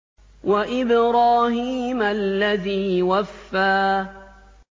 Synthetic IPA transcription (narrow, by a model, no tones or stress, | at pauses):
waʔɪbɾaːɦiːmalːaðiːwafːaː